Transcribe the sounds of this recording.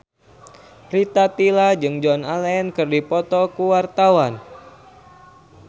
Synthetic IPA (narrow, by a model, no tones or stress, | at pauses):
rit̪at̪ilad͡ʒɨŋd͡ʒɔnalɛnkɨrdipɔt̪ɔkuwart̪awan